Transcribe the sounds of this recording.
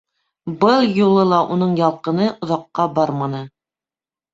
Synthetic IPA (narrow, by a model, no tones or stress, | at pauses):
bɤlˠjulˠɤlˠɑʔunɤɴjɑlˠqɤ̆nɤʔŏðɑqːɑbɑɾmɑnɤ